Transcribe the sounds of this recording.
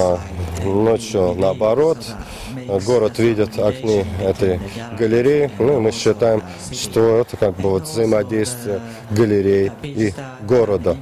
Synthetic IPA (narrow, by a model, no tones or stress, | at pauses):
not͡ɕjʊnəɐbɐɾo̞t̪ | ɡo̞ɾət̪vʲidʲɪt̪ɐknʲiɛt̪əjɡəlʲɪɾʲejɪnuɪmɨɕːɪt̪ajɪm | ʂt̪oɛt̪əkaɡ̚bɨvot̪vzəjɪmɐdʲejst̪vʲɪjə | ɡəlʲɪɾʲeji | ɡo̞ɾəd̪ə